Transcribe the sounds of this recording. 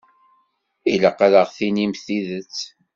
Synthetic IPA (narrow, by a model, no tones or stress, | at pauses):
iləqːaləʁθinimθiðət͡sː